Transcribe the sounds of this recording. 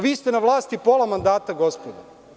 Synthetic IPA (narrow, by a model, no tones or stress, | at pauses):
ʋiːst̪enaʋlˠaːst̪ipoːlˠamand̪aːt̪aɡo̞spod̪a